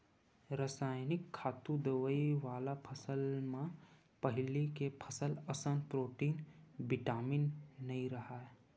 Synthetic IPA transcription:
ɾəsaːjnɪkʰːaːt̪ũd̪əʋəiʋaːlapʰəsəlmẽ | pəɦɪlikepʰəsələsənpɾoːʈiːnbɪʈaːminːɐĩɾɐɦaːɛ

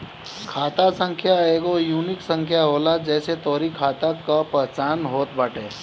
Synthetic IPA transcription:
kʰaːt̪asə̃ŋkʰjaeːɡojuːnɪksə̃ŋkʰjaɦoːlad͡ʒɛːset̪ɔːɾikʰaːt̪akapɛɦt͡ʃaːnɦoːt̪̚bɐʈʰeː

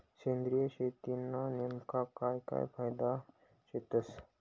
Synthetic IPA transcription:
t͡ʃẽːnd̪ɾijəʃeːt̪inanɪmkakajka̰j̰pʰajd̪a | ʃet̪əs

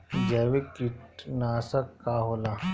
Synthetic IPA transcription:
d͡ʒɛːwekiʈnaːsɐkkːaːɦoːlaː

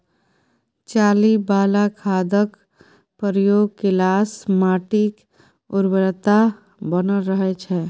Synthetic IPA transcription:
t͡ʃalibaːlakʰad̪ək | pəɾjoːɡ̚kɪlasmaʈik | uɾbəɾt̪a | bənəlɾəɦɛt͡ʃʰɛ

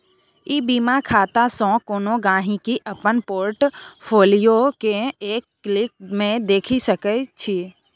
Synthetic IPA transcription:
ibimakʰaːt̪asɔ̃koːnoɡãːɦĩkiʔəpənpoːɾʈpʰoːlijokeeːkːlɪk̚mẽd̪eːkʰisəkət͡ʃʰi

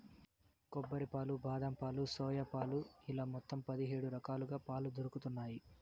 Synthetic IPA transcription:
kɔbːɐɾipaːlubaːd̪ɐmpaːlusɔːjɐpaːluilaːmɔt̪ːɐmpɐd̪iɦeːɽuɾɐkaːluɡaːpaːlud̪oɾukut̪unːaːji

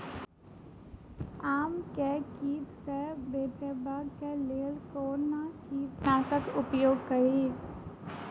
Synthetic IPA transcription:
aːmkekiːpsɛbeːt͡ʃebaːɡkeleːlkoːnmãkiːpnaːsəkʊpjoːɡ̚kəɾiː

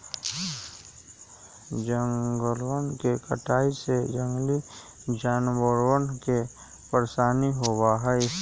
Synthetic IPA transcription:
d͡ʒəŋɡəlwənkekə̰ʈʰaːised͡ʒəŋɡli | d͡ʒaːnbəɽwənke | pəɾsaːniɦoːbaɦɛɪ

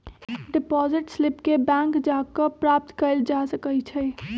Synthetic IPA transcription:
ɖipɔziʈslipkebɛ̃ŋkd͡ʒakəpɾap̚t̪kəɪld͡ʒasəkəjt͡ʃʰə

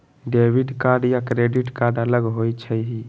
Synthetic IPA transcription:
ɖeʋiɖkaɾɖjakɾeɖiʈkaɾɖələɡɦot͡ʃʰəɦi

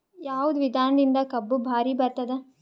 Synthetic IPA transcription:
jaːʋud̪ʋid̪ʱaːnɐd̪ind̪ɐkɐbːubʱaːɾibɐɾt̪ɐd̪e

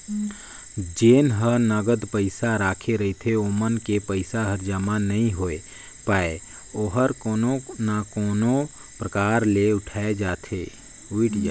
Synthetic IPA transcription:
d͡ʒeːnɦənəɡəd̪pəɪsaɾaːkʰeɾɐɦt̪ʰeoːmənkepəɪsaɦəɾd͡ʒamanɐɦĩɦoːe | paːe | oːɦəɾkoːnonakoːno | pɾəkaːɾleʊʈʰaːed͡ʒaːt̪ʰeː | uɪʈd͡ʒa

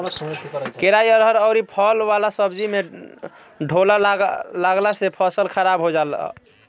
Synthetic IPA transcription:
keɾajəɾɦəɾəʊɾipʰɔlbalasəbd͡ʒime | ɖʱolalaɡlasepʰəsəlkʰəɾabɦod͡ʒal̰

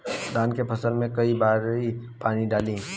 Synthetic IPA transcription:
d̪aːnkepʰɐsəlmẽkɐibaːɾɦi | paːniɖaːlĩ

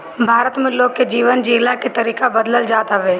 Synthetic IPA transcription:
bʱaːɾət̪mẽloːɡ̚ked͡ʒiːʋənd͡ʒiːlaket̪ɐɾiːkabəd̪ləld͡ʒaːt̪aʋeː

